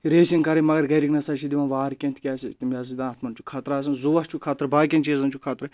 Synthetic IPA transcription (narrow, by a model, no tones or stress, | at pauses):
ɾeːsinkɐɾɐmɐɡɐɾɡɐɾiɡnɐsɐʃid̪iʋɐnʋaːɾkʲẽnt̪ʰʲkʲaːsit̪umjaːzid̪ãːt̪ʰmɐnt͡ʃʰu̥kʰaːt̪ɾaːs̬ɐnzuʋɐht͡ʃʰukʰaːt̪ɾbaːk̬ʲɐnt͡ʃiːzɐnt͡ʃʰukʰaːt̪ɾɐ